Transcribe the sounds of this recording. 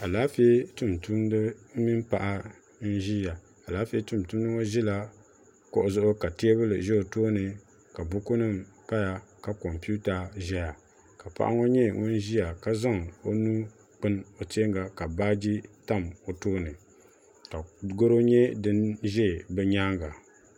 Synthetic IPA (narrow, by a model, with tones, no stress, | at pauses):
a˨laː˨˦fe˦tu˦mtu˦mdɨ˦mi˦mpa˨ʔa˦ | n̩˦ʒi˦ja˨ | a˨laː˦fi˦e˦tu˦˨mtu˦m˦nɨ˦o˦ʒi˦la˦ | ko˦ʔʊ˨zʊ˦ʔʊ˦ka˨ti˦e˦βɨ˦lɨ̰˨ʒɛ˦o˨toː˦nɨ˨ | ka˨bʊ˦ko˦nɨ˦m | pa˦ja˨ka˨kɔ˨mpu˦ta˨ʒɛ˦ja˨ | ka˨pa̰˦˨ʔa̰˦ŋo˦ɲɛ˦ŋʊ˦n˦ʒi˦a˨ka˦za˦ŋo˦nuː˦ | k͡pɨ˦no˨ti˦e˦ŋɡa˨ka˨baː˦d͡ʒi˦ta˦mo˨toː˦nɨ˨ | ka˨ɡo˦ɾo˦ɲɛ˦dɨ˦nʒɛ˦˨bɛ˦ɲaː˦ŋɡa˨